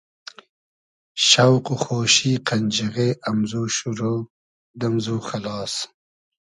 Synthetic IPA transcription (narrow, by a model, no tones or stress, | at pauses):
ʃawquxoːʃiqand͡ʒaɣeʔamzuːʃuɾo | d̪amzuːxalɑːs